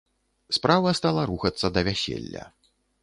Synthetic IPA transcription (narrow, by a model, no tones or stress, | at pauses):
spɾavɐst̪alˠɐɾuxɐt̪sːɐd̪ɐvʲæsʲḛlʲːɐ̰